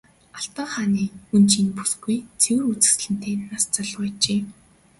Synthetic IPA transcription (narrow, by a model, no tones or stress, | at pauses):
aɬt̪ɔːχaːniːunt͡ɕiːnpu̥sɡujt͡sʰewɘ̆rut͡sɘ̆sɮɘ̆n̥t̪eːnast͡sɔɮwæːt͡ɕeː